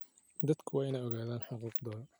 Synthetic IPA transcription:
d̪ɐd̪kʰʊwaːɪnɐɔɣaːðaːnħʊquːqd̪ɔːl

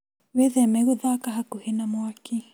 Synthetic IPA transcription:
ʋeðemeɡud̪aːkɐɦɐkuhinɐmuɐkiː

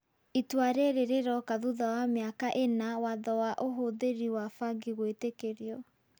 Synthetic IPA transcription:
itwaɾeɾeɾeɾɔkaðuðawameakaʔenawaðɔwaʔoɦoðeɾiwafaɡiɣwetekeɾiɔ

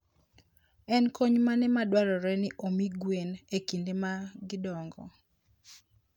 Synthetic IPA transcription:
ɛnkoɲmanɛmadwaɾɔɾɛnɪʔomiɡwenekindemaɡɪdɔŋɡɔ̰

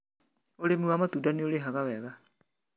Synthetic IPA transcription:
olemuwamat̪udanioleɦaɣaβeɣa

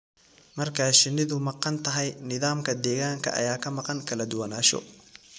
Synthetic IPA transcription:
mɐrkʰaːʃɪnɪðʊmɑqɑnt̪ʰɐɦɛjnɪðaːmkʰɐd̪ɛːɣaːŋkʰɐ̰ʔɐ̰jaːkʰɐmɑqɑŋkʰɐlɐd̪ʊwɐnaːʃɔ̰

